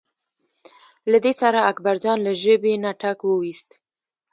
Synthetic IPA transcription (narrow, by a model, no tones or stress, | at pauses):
lad̪esaɾaːkbaɾd͡ʒɑnlaʒəbenaʈakwəwist̪